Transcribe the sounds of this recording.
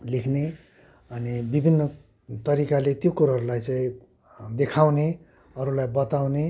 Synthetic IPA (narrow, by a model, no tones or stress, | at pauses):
likʰne | ʌnibibʱinːʌ | t̪ʌɾikalet̪jokuɾaɦʌɾulajt͡sãĩ | d̪ekʰawne | ʌɾulajbʌt̪awne